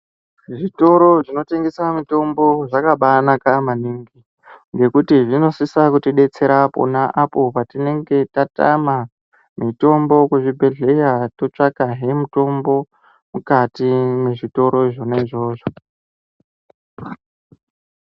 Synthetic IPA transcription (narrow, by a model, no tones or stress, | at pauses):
ʐito̞ɾo̞ʐino̞te̞ŋɡe̞samito̞mbo̞ʐakaɓanakamaniːŋɡi | ŋɡe̞kutiʐino̞sisakutiɗe̞t͡se̞ɾapo̰naʔapo̞patine̞ŋɡe̞tata̰ma | mito̞mbo̞kuʐibʱe̞ɮe̞jato̞t͡ʂakaɦe̞muto̞mbo̞ | mukatimeʐito̞ɾo̞iʐoneʐo̞ːʐo